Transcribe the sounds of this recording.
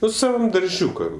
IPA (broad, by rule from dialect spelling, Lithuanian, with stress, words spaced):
ˈnʊ sɐˈʋɐm dɐrʲˈʒʲuːkɐm